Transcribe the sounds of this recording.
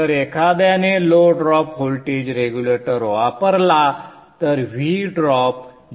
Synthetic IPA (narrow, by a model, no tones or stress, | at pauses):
əɾekʰad̪janeloɖɾɔpɦolʈed͡ʑɾeɡjuleʈəɾɦoʋapəɾla | t̪əɾʋiɖɾɔp̚